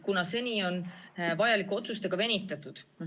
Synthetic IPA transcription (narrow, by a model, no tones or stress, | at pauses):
kunɑse̞nʲio̞nvɑjɑlikːˑeo̞t̪sust̪e̞ɡ̥ɑve̞nʲit̪ːˑɑt̪ːˑud̪̥